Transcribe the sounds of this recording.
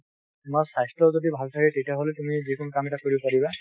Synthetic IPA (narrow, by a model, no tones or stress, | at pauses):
tumaɹsajstɔzodibʱalsʰaɹɛtejtiaɦolɛtumizikunukamɛtakoɹibɔpaɹiba